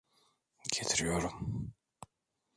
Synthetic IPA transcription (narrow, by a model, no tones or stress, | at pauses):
ɟet̪ʰiɾijoɾum